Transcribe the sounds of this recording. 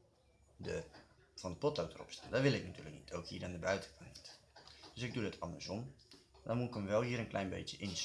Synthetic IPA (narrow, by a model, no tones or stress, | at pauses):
də | vɑndəpɔtowtərɔ̰psta̰ːndɔʋɪlˠɪknatyːləknitʰowkhiːɹandəbœɥtə̥kʰɑnnitd̥øsɪɡ̚dudətʰɑ̰ndəɹsɔmdɑnmukənəʋɛlˠɦiːəɾənklʔɛ̰jnbḛjtjəʔɪns